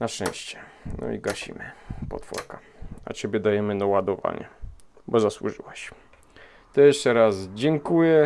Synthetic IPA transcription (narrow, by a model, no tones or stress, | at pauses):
naʂt͡ʂɛ̰̃w̃ɕt͡ɕɛ̥ | nɔ̰iɡaɕḭmɘpɔ̰t̪fɔ̰ɾka | a̰t͡ɕebʲjɛd̪ajɛmɘnawad̪ɔva̰ɲɛ̰ | bɔzaswuʐɨwaɕ | t̪ɔjɛʂt͡ʂɛɾasd͡ʑɛŋkujɛ